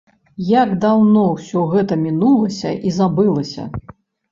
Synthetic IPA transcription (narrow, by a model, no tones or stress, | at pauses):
jaɡd̪awnɔwsʲɔɣɛt̪ɐmʲinulˠɐsʲɐ̰ʔizabɨlˠɐsʲɐ̰